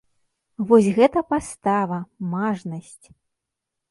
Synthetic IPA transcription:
vɔsʲɣɛt̪ɐpast̪avɐmaʐnɐsʲt͡sʲ

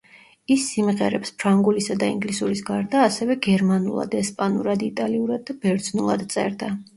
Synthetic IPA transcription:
isːimʁɛ̰ɾɛ̰pspʰɾaŋɡulisad̪aḭŋɡlisuɾisɡaɾd̪aːsɛvɛɡɛɾmanṵlˠa̰d̪ɛspʼanuɾad̪it̪ʼaliuɾad̪̚ːabɛɾd̪znulˠa̰d̪t̪sʼɛ̰ɾd̪a

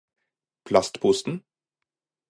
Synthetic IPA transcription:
pʰlɑst̪pʰʊst̪n̩

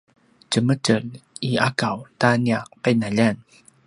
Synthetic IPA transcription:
t͡ɕəmətəliakawtaniaq̚pajnaʎan

